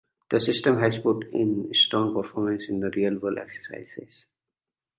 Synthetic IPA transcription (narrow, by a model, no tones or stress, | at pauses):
d̪̥əsɪsʈə̃mɦæzpʊʈɪ̰̃nsʈɾɔ̃ːŋpəɾfɔːɾmə̃nsɪ̃nd̪əɾiəlʋəlɛ̰ksə̥ɾsa̰ɪzɪ̰z̥